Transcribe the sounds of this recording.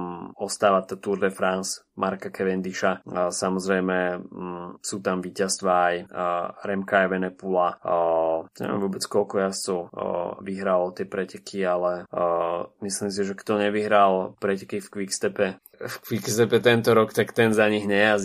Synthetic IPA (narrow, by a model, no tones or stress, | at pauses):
ɔst̪aːʋat̪at̪uɾd̪ɛfɾans | mʔaɾkakʰɛʋɛnd̪iʃasamɔzɾɛjmɛ | suːt̪amʋiːcast̪ʋaːjɾɛmkaɛʋɛnɛpula | ɲɛ̰ʋʲɛ̰mʋʊɔbɛt͡skɔlkɔjast͡sɔʊʋiɦɾalɔt̪ɪɛpɾɛcɛkʰialɛ | misliːms̬iʒɛkt̪ɔɲɛʋiɦɾalpɾɛcɛ̥kifkʋikst̪ɛpɛ | fkʋikst̪ɛpɛt̪ɛnt̪ɔɾɔkt̪akt̪ɛnzaɲiɣɲɛjaz